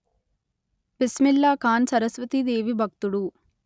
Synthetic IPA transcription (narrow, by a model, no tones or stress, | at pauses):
pismilːaːkaːnsɐɾɐsʋɐt̪id̪eːʋibʱɐk̚t̪uɽu